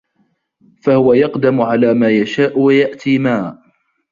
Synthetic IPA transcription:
fahʊwajɑqd̪amʊʕalaːmaːjaʃaːʔʊwajaʔt̪iːmaː

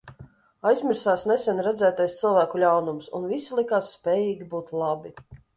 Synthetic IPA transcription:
ajzʲmʲiɾsaːsnɛsʲɛnɾɛd̪zæːt̪ajst̪sɨlˠvæːkulʲawnumsṵnvisilˠikaːsːpʲɛːjiːɡʲibuːt̪lˠabi

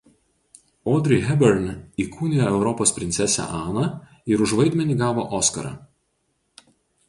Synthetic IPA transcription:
ɔːd̪ʲɾʲɪɦʲɛbʲɛɾnʲiːkʰuːnʲɪjoɛʊɾɔpoːspʲɾʲɪnt̪sʲɛsʲɛ̰ʔɑːnɐ | ɪɾʊʒʋɐɪd̪ʲmʲɛnʲiːɡɑːʋo̰ːʔɔːskɐ̰ɾɐ̰

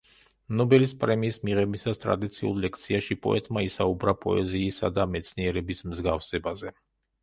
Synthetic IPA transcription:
mnɔbɛlispʼɾɛmiːsmiʁɛbisast̪ʼɾa̰d̪it̪sʰiṵlˠlɛk̚ʰt̪sʰiaʃipʼɔ̰ɛ̰t̪ʼmaisaubɾapʼɔ̰ɛziːsad̪amɛt̪sʰniɛɾɛbismzɡafsɛbazɛ

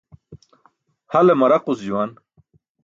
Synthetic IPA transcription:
hɐlemɐɾɐqusd͡ʑuwan

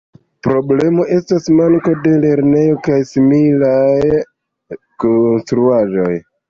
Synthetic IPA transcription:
pɾo̞ble̞mo̞ʔe̞stasmaŋko̞de̞le̞ɾne̞jo̞kajsimilaj | konstɾuaʒo̞̰j

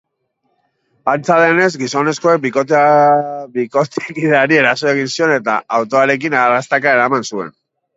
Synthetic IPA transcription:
ant͡saðe̞ne̞zɡiso̞ne̞sko̞ek̚bikot̪ | biko̞t̪kiðeaɾie̞ɾaso̞e̞ɣ̞insio̞ne̞t̪a̰awt̪oaɾe̞k̬inarast̪akaeɾamansue̞̰n

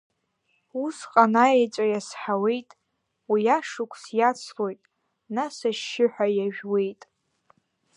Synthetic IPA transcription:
usqʼanaejt͡ʃʷʼajasħawe̞jtʼ | wijaʂukʷʰʼsjat͡sʰlo̞jtʼ | nasaʃːɪħʷᶣajaʒᶣwe̞jtʼ

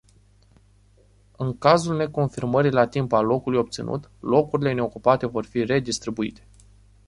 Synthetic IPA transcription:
ɨŋkazulne̞ko̞nfirməɾilat̪impalːo̞kulujo̞p̚t̪sḭnṵt̪lo̞kuɾile̞ne̞o̞kupat̪e̞vo̞rfire̞d̪ist̪ɾibuit̪e̞̥

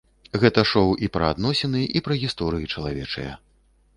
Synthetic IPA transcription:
ɣɛt̪ɐʂɔwʔipɾɐad̪nɔsʲɛnɨʔipɾɐɣʲist̪ɔɾɨjit͡ʂɐlˠavʲɛt͡ʂɐ̰jɐ̰

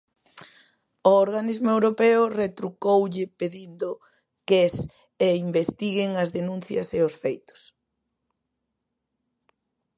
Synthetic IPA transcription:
oːɾɣanizmʊewɾopeʊret̪ɾukowʎɪpeðind̪o | kes | eimbest̪iɣeŋɐzðenũn̟θjɐseosfejt̪ʊ̥s

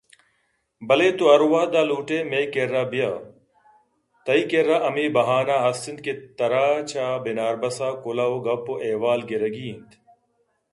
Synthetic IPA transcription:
bɐleːt̪uɐɾwaːd̪aːluːʈeːmeːkeɾaːbijaː | t̪ɐiːkeɾːaːʔɐmiːbɐɦaːnaːɦɐsind̪̚ket̪ɐɾaːt͡ɕʰaːbenaːɾbɐsaːkolaːoːɡɐpːoʔeːwaːlɡeɾɐɡiːnt̪

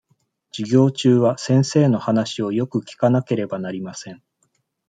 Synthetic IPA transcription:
d͡ʑ̥iɡʲo̞ːt͡ɕɨːβasẽ̞ɰ̃se̞ːno̞hanaɕio̞jo̞kɯ̟kʲi̥kanake̞ɾe̞banaɾʲimasẽ̞ɴ

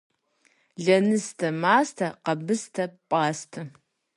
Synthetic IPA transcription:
ɮɐnɨstʰɐmaːstʰɐqɐbɨstʰɐpʼaːstʰɐ

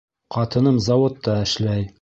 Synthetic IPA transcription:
qɑt̪ɤ̆nɤmzɑwot̪ːɑɘ̆ʃlæj

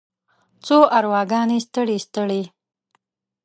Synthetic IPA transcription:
t͡soʔaɾwɑɡɑnest̪əɽist̪əɽe

